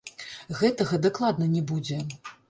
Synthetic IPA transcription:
ɣɛt̪ɐɣɐd̪aklˠad̪nɐnʲɛbud͡zʲɛ

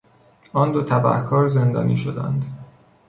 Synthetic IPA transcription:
ɒːnd̪ot̪ʰæbæ̰hkʰɒːɾzend̪ɒ̰ːnḭʃod̪æ̰nd̪

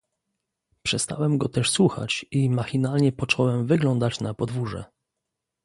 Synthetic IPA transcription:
pʂɛst̪a̰wɛmɡɔt̪ɛʂswuxa̰t͡ɕimaxʲinalɲɛpɔt͡ʂɔwɛmvɘɡlɔnd̪at͡ɕnapɔd̪vuʐɛ̰

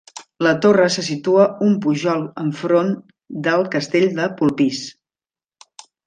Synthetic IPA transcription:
lət̪orəsəs̬it̪uəumpuʒɔlˠəɱfɾon | d̪əlˠkəst̪eʎʲd̪əpulˠpis

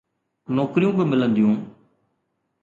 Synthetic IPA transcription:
noːkɾijũːbɪmɪlə̃nd̪ijũː

